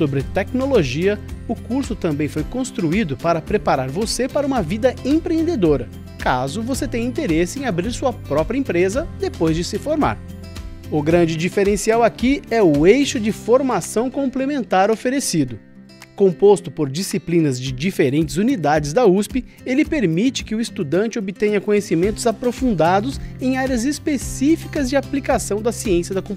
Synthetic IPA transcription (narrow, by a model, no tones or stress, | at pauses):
sobɾɪt̪ɛknoloʒiɐʊkuɾsʊt̪ɐ̃mbẽj̃fojkõst̪ɾuid̪ʊpaɾɐpɾepaɾaɾvosepaɾɐũmɐvid̪ɐẽpɾẽẽnd̪ed̪oɾɐ | kazʊvoset̪ẽj̃ĩnt̪eɾesɪẽabɾiɾsuɐpɾɔpɾiɐẽpɾezɐd̪epojzd͡ʒɪsɪfoɾma̰ɾ | ʊɡɾɐ̃nd͡ʒɪd͡ʒifeɾẽsiawakiɛʊejʃʊd͡ʒɪfoɾmasɐ̃w̃kõmplemẽnt̪aɾofeɾesid̪ʊ | kõmpost̪ʊpoɾd͡ʒisiplĩnɐzd͡ʒɪd͡ʒifeɾẽnt͡ʃɪzunid̪ad͡ʒɪzd̪ɐuspɪ | elɪpeɾmit͡ʃɪ̥kɪʊist̪ud̪ɐ̃nt͡ʃɪobɪt̪ẽɲɐkõɲesimẽnt̪ʊzapɾofũnd̪ad̪ʊzẽj̃aɾjɐzɪspesifikɐzd͡ʒɪaplikasɐ̃w̃d̪ɐsiẽsiɐd̪ɐkõ